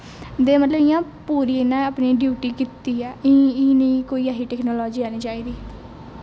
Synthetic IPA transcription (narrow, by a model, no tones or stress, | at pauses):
d̪eːmət̪ləbɪjãː | puːɾiːɪnãːəpnĩːɖjuːʈiːkit̪ːiːɛ̃ːnəĩːkoːiːaːɦiːʈɛːknɔːlɔːd͡ʒiːaːnĩːt͡ʃaːiːd̪iː